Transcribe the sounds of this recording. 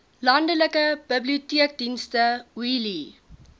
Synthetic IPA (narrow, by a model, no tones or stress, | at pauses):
lɐndələkəb̥əbliutiək̚dinstəwili